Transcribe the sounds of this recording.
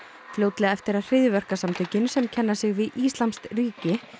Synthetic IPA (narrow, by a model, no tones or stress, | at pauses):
fljoːwt̪lɛɣaɛft̪ɪɾað̥r̥ɪðjʏvœr̥kasamt̪ʰœcɪnsɛmcʰɛnːasɪɣvɪðʔist̪lamst̪riːcɪ